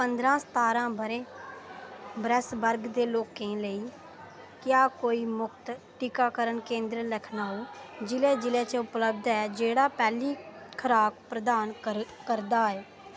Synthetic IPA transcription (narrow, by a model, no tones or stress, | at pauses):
pənd̪ɾãːst̪aːɾãːbəɾeː | bɾəsbəɾɡd̪eːloːkẽːləiː | kɪjaːkoːiːmʊkʰt̪ʈɪkaːkəɾənkẽːnd̪ɾələkʰnaːuːd͡ʒɪleːd͡ʒɪlẽːt͡ʃəʊpləb̚d̪ɛːd͡ʒeːɽaːpɛːliːkʰəɾaːkpɾəd̪aːnkəɾd̪aːɛː